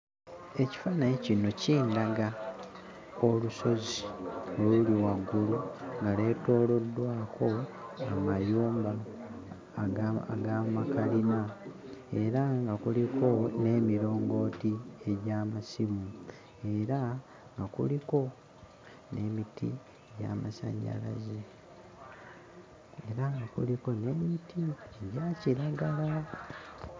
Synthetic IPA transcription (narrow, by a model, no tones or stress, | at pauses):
e̞ci̥fanajecino̞ciːndaɡa | o̞luso̞zioluliwaɡuluŋɡale̞to̞ːlo̞dːwaːkʰo̞amajuːmba | ɡaːmakalina | e̞ɾaŋɡakulikʰo̞ne̞ːmiɾo̞ːŋɡo̞ːtie̞ɟaːmasimu | e̞ɾa | ŋɡakṵliko̞ | ne̞mitʰḭ | ɟa̰ma̰sa̰ːɲɟa̰la̰ze | eɾaŋɡakṵliko̞ne̞mitʰieɟaciɾaɡala